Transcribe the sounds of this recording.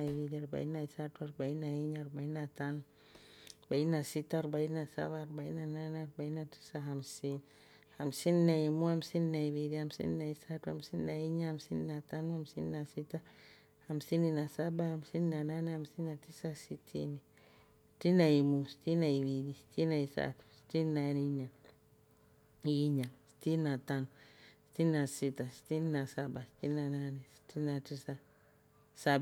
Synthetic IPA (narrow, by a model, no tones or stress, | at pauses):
aiwidiaɾba̰inaisatuaɾbainaiɲaɾbainatanu | bainasitaɾbainasa̰βaɾbainananaɾbainati̥saɦamsin | hamsinnaimuamsinnaiwidihamsḭnnaisatuamsinnaiɲahamsininatanuamsḭnnasita | amsininasabaamsininananiamsinatisasitʰḭni | si̥tinajimusi̥tinaiwiɾisi̥tinaisa̰tu̥si̥tinnaniɲa | jiɲaŋsi̥tinataŋsi̥tininasitasi̥tininasabasi̥tinananisi̥tinatisa | sab